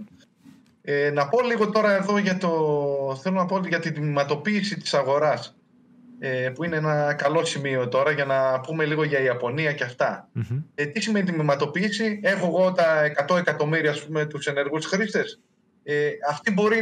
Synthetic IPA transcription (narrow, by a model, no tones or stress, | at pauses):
enɐpo̞liɣo̞t̪o̞ɾɐe̞ðo̞ʝɐt̪oθelo̞nɐpo̞ot̪iʝɐt̪id̪imimɐt̪o̞piːsit̪i̥sɐɣo̞ɾɐs | epuineenɐkɐlo̞simio̞t̪o̞ɾɐʝɐnɐpume̞liɣo̞ʝɐiɐpo̞niɐce̞ɐft̪ɐet̪isime̞nit̪imimɐt̪o̞piːsie̞xoeɣo̞t̪ɐekɐt̪o̞e̞kɐt̪o̞miɾiɐːspume̞t̪use̞ne̞ɾɣusxɾist̪e̞s | eɐft̪ibo̞ɾi